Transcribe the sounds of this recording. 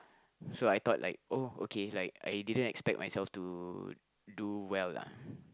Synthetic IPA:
soajt̪ɔt̚lʔa̰ɪk̚oo̰kʰelaɪka̰jdidə̃ntɛkspɛk̚mʔajsɛlftu | duwɛlːa̰

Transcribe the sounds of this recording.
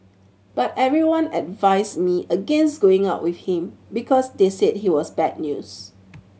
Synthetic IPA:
b̥atɛvɹiwãnɛdvaɪsmiʔəɡɛ̃nstɡ̥oɪ̃ŋaʊʔwiθhĩmbikʰɔsdesed̚hiwɔsbɛd̚njṵs

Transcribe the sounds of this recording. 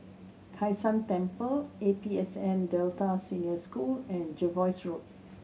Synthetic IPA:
kʰajsãntɛ̃mpəlepiɛsɛ̃ndɛltasĩnəskulɛ̃nd͡ʒovɔjsɹut̚

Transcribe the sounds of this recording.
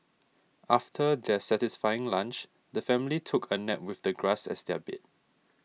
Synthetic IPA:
ʔaftʰədɛsɛtɪsfajɪ̃ŋlãnt͡ʃ | dəfɛ̃mɪlitʰʊkʰənɛp̚wɪθdəɡɹasɛ̰sdɛbɪ̰t̚

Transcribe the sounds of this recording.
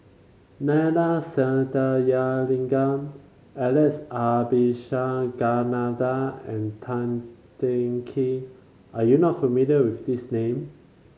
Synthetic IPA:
nɛnasɛnətajalĩŋɡãn | ɛlɛsabiʃaɡanadaɛ̃ntʰãntɛŋkʰi | ʔajunɔtfəmiliəwifdisnẽm

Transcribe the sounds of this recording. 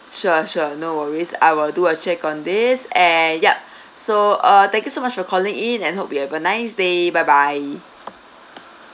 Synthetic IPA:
ʃuʃuənowəɹisa̰jwɪlduət͡ʃɛkɔ̃ndɪsɛ̃njap̚ | soʔʌt̪ɛ̃ŋkjusomat͡ʃfɔkʰɔlĩŋĩnɛ̃nɦop̚biɛvənaɪsdebajbaj

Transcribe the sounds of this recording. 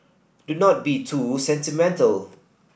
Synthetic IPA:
dunɔt̚bitʰusɛ̃ntimɛ̃ntəl

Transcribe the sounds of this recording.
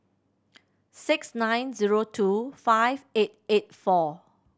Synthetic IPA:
sɪksnãj̃nziɹotʰufajvet̚et̚fɔ

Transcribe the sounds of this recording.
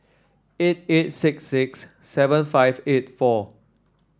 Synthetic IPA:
et̚et̚sɪksːɪksː | ɛvə̃nfaɪvet̚fɔ

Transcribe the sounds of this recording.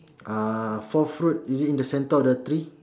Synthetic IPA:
afɔfɾut̚izitĩndəsɛ̃ntəɔfdət̪ɾi

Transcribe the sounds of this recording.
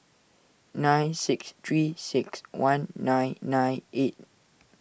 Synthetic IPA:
nãjnsɪkst̪ʰɹisikswãnːãjnːãjnʔet̚

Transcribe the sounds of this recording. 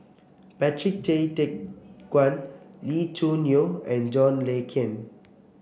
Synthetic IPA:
pɛtʰɹik̚tetek̚ɡwãnlitʰunioɛ̃nd͡ʒɔ̃nlekʰɛ̃n

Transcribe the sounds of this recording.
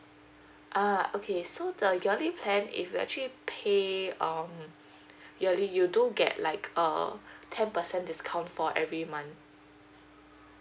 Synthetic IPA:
ʔaokʰesodəjəlipʰlɛ̃nḭfjuɛ̰k̚t͡ʃuəlipʰeʌ̃m | jəlijudõɡɛ̰t̚laɪkʰə̰tʰɛ̃npəsɛ̃ndɪskʰãw̃ntfɔʔɛvɹimãn

